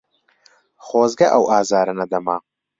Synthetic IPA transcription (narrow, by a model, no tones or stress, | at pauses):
χoːzɡɐʔɐwʔaːzaːɾɐnɐd̪ɐmaː